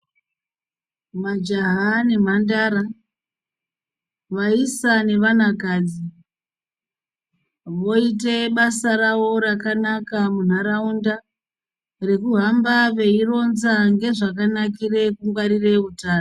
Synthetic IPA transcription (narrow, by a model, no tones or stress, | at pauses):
mad͡ʒaɦanem̤andaːɾa | ʋaisane̞ʋan̤akaːd͡zi | ʋo̞ite̞ɓasarawo̞rakanakamun̤aɾaunda | re̞kuɦambaʋe̞iro̞nzaŋɡe̞ʐakanakire̞kuŋɡwaɾire̞utaːno